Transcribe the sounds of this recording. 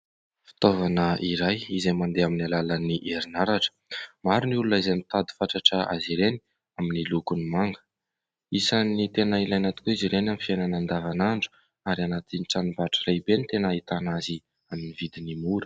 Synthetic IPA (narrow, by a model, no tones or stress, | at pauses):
fi̥t̪ovanəʔiɾajizemand̪eaminalalaniʔeɾinaɾaʈ͡ʂə̥maɾinulunaizemit̪ad̪i̥faʈ͡ʂaʈ͡ʂəa̰ziɾeni | aminilukunimaŋɡə̥ | isanit̪enailajnat̪u̥kuiziɾenamifiajnanand̪avanaɳɖ͡ʐu̥ | aɾianat̪iniʈ͡ʂanibaʈ͡ʂərejbenit̪enait̪anazi | aminivid̪inimuɾə̥